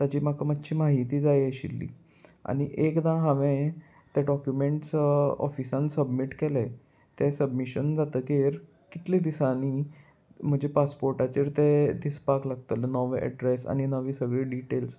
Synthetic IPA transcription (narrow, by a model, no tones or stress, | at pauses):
t̪jat͡ɕiːm̤akəmət̪ːɕʰiːmaɦit̪iːd͡zajəɕḭlːḭː | a̰ɽ̃iʔekd̪ãɦãʋẽ | t̪jaɖɔkjumeɳʈsɔ̰fisãnsəbmiʈkɛle | t̪esəbmiɕənd͡zat̪əkeɾ | kit̪lid̪isaniː | m̤əd͡ʑʱepaspoɾʈat͡ɕiːɾt̪ed̪ispaklaɡ̚t̪əlnɔʋeʔɛ̰ɖɾesa̰ñinəʋiːsəʋiːɖiʈels